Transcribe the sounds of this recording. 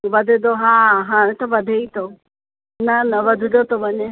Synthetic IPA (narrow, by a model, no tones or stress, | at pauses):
ʋɐd̪ʱɪd̪oɦãːɦãːɽ̃ẽt̪oʋɐd̪ʱeit̪ʰoː | nɐnɐʋɐd̪ʱɪd̪ot̪oʋɐɲe